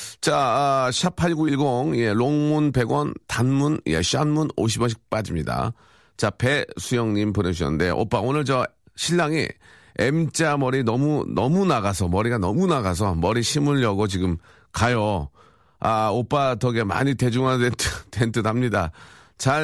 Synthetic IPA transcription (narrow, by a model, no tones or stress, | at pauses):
t͡ɕaɕʰapʰaɭɡuiɭɡoŋije̞loŋmunpe̞ɡwʌntanmunja̰ɕ͈ianmuno̰ɕ̬ʰibʌɕ̬ʰi̥k̚p͈ad͡ʑimɲida̰ | t͡ɕape̞sʰujʌŋɲimpɯnɯɕ̬ʰʌ̰nnde̞ʔo̰p͈aonɯɭt͡ɕʌ | ɕʰiʎːaŋḭ | emt͡ɕ͈amʌɾinʌmunʌmunaɡasʰʌmʌɾiɡanʌmunaɡas̬ʰʌmʌɾiɕʰimɯɭjʌɡot͡ɕiɡɯm | kajʌ | aop͈atʌɡema̰ɲite̞d͡ʑuŋanentʰɯtentʰɯdamɲida | t͡ɕa